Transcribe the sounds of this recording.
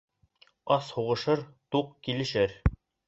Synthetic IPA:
ɑshuʁɤ̆ʃɤɾt̪uqkilɘ̆ʃɘɾ

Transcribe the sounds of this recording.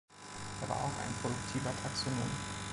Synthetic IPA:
d̥a̰ɐva̰ɐʔa̰ʊxa̰ɪnpʁ̥odʊk̚tʰiːvɐtʰaksonoːm

